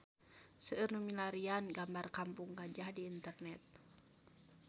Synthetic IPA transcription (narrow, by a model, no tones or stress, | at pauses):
səɨrnumilaɾianɡambarkampuŋɡad͡ʒahdiːnt̪ərnɛt̪̚